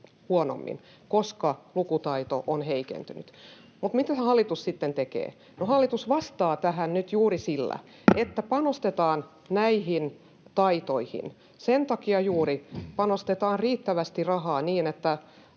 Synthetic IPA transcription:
huono̰mːḭn | koskɑlukut̪ɑit̪oʔonheikḛnt̪yny̰t̪ | mut̪mit̪æsehɑlːit̪ussit̪ːent̪ekḛː | nohɑlːit̪usʋɑst̪ɑːt̪æhænnyt̪juːrisilːæ̰ | et̪ːæpɑnost̪et̪ɑːn | næihin | t̪ɑit̪oihḭn | sent̪ɑkiɑjuːripɑnost̪et̪ɑːnriːt̪ːæʋæst̪irɑɦɑːniːnet̪ːæ

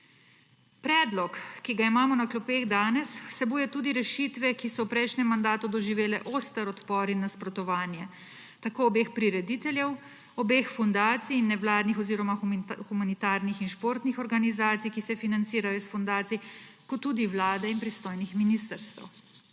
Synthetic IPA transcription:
pɾɛːd̪lɔkkːiɡaimaːmɔnaklɔpeːɣd̪aːnɛsːɛbuːjɛt̪uːd̪iɾɛʃit̪ʋɛkisɔwpɾɛjʃnɛmːand̪aːt̪ud̪ɔʒiʋeːlɛʔost̪ɛɾɔt̪pɔɾinːaspɾɔt̪ɔʋaːnjɛ | t̪akoːbeːxpɾiɾɛd̪it̪ɛljɛw | ɔbeːxfund̪aːt̪siːnːɛʋlaːd̪nixɔziːɾɔmaxxumanit̪aːɾnixinʃpoːɾt̪nixɔɾɡanizaːt̪sijkisɛfinant̪siːɾajɔsfɔnd̪aːt̪sijkɔt̪ːud̪iʋlaːd̪ɛinpɾist̪oːjnixminiːst̪əɾst̪ə̰w

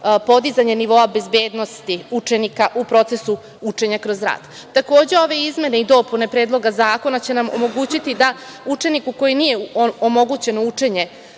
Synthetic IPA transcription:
po̞d̪izaɲe̞niʋo̞abe̞zbe̞ːd̪nost̪iut͡ʂe̞nikaʔupɾo̞t̪se̞su | ut͡ʂe̞ɲakɾo̞zɾa̰ːd̪̥ | t̪ako̞ːd͡ʑe̞o̞ʋe̞izme̞ne̞id̪o̞pune̞pɾeːd̪lˠo̞ɡazaːko̞nat͡ɕe̞namo̰mo̞ɡuːt͡ɕit̪id̪a | ut͡ʂe̞nikuko̞jinijeomo̞ɡut͡ɕe̞nout͡ʂe̞ɲe̞

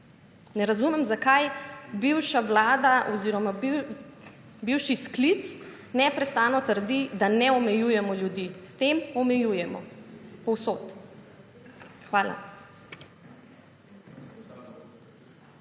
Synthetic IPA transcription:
nɛɾazumɛmzakajbiwʃaʋlaːd̪aʔɔziːɾɔma | biwʃisklit̪s | nɛpɾɛst̪aːnɔt̪əɾd̪id̪anɛɔmɛjujɛmɔljud̪iːst̪emɔmɛjuːjɛmɔ̰pɔwsoːt̪ | xʋaːla̰

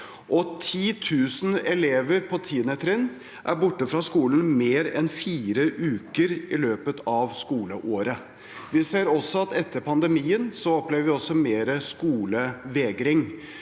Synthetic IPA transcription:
ʔɔt̪ʰiːt̪ʰʉːsn̩ɛleːʋəɾpʰɔt̪ʰiːnɛt̪ʰɾɪn | ʔæ̰ɾbʊʈːəfɾɑskuːln̩meːɾɛnfiːɾəʔʉːkəɾɪløːpət̪ɑʋskuːləʔoːɾə | ʋɪseːɾɔsːɔɑt̪ɛt̪ʰːəɾpʰɑnd̪əmiːənsɔɔpleːʋəɾʋɪɔsːɔmeːɾəskuːləʋeːɡɾɪŋ

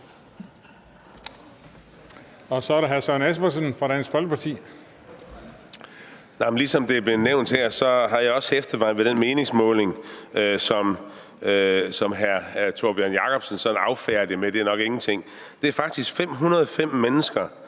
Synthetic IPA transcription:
ɒ̽sɒɾeɦæɐsɒnæs̬b̥ɐs̬ənfʁɑ̈d̥ænsfɒ̽lɡ̥əpʰɑ̈t͡sʰḭː | nɑ̈ɪmnlisɒ̽md̥e̝æb̥le̝neʊ̰nd̥heɐ̰sɒ̽ɦɑ̈jɑ̈ɪɒ̽sefd̥əʋɑ̈ɪ̰nʋeɾ̥enme̝ːne̝ŋsmɔ̰̽ːle̝ŋøsɒ̽m | sɒ̽mɦæɐt͡sʰo̝ɐb̥iænjɑ̈kʰɒ̽b̥sənsɒ̽d̥n̩ɑ̈ʊfæːɐd̥jimed̥e̝æɐnɒ̽ɡ̥e̝ŋn̩t͡sʰe̝ŋ̰ | d̥e̝æɐfɑ̈ɡ̥̚d̥isɡ̥fem̰ɦunɐð̩ˠɒfem̰ːenəsɡ̥ɐ

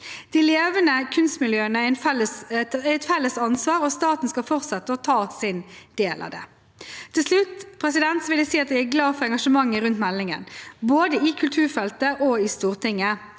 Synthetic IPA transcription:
d̪̥ɪleːʋənəkʰʉnst̪mɪljøːənəænfɛlːəæɛt̪fɛlːəsɑnsʋɑːɾɔst̪ɑːt̪n̩skɑlfɔʁt̪sɛt̪ːəɔt̪ʰɑːsɪnd̪̥eːlʔɑ̰ːd̪ɛ̰ | t̪ʰɪlslʉt̪ːpʰɾɛsɪd̪ɛnt̪sɔʋɪld̪ɛsiːɑt̪̚d̪ɛɪæɡlɑːfɔʁɾɛŋɡɑʂəmɑŋːəɾʉnt̪mɛlːɪŋə̰nboːd̪əɪkʰʉlt̪ʰʉːɾfɛlt̪əʔɔɪst̪uːʁt̪ʰɪŋːə

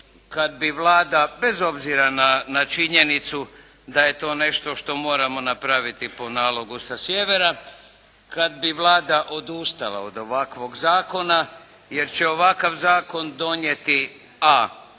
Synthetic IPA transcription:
kad̪̚biʋlˠaːd̪abe̞zo̞bziɾananat͡ʃiɲe̞nit̪su | d̪aje̞t̪o̞ːne̞ʃt̪o̞ʃt̪o̞mo̞ːɾamo̞napɾaʋit̪ipo̞naːlˠo̞ɡusasjeʋe̞ɾa | kad̪̚biʋlˠaːd̪aʔo̞d̪ust̪alˠa̰od̪o̞ʋakʋo̞ɡzaːko̞na | je̞ɾt͡ɕe̞o̞ʋakaʋzaːko̞nd̪o̞ɲjet̪i | a

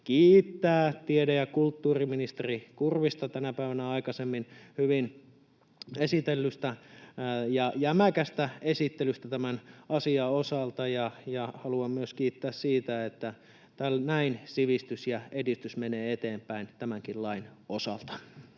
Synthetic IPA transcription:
kiːt̪ːæːt̪iedejɑkult̪ːuːriminist̪erikurʋist̪ɑt̪ænæpæiʋænæɑikɑsemːinhyʋin | esit̪elːyst̪æ | jɑjæmækæst̪æesit̪ːelyst̪æt̪æmænɑsiɑosɑlt̪ɑjɑjɑhɑluɑmmyøskiːt̪ːæːssiːt̪æet̪ːæ | t̪ælnæinsiʋist̪ysjɑedist̪ysmeneːet̪eːmpæint̪æmæŋkillɑinosɑ̰lt̪ɑ̥

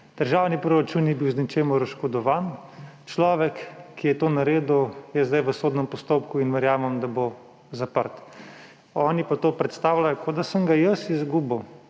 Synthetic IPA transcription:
d̪̥əɾʒaːwnipɾɔɾat͡ʃunːibiwznit͡ʃeːmɔɾaʃkɔd̪ɔʋaːn | t͡ʃlɔːʋɛkːijɛt̪oːnaɾeːd̪ujɛzd̪ajʋəsoːd̪nɛmpɔst̪oːpkuinʋɛɾjaːmɐmd̪abo | zapəɾt̪ | ɔːnipat̪oːpɾɛt̪st̪aːwlajɔkʰod̪asəmɡajəsizɡuːbɐ

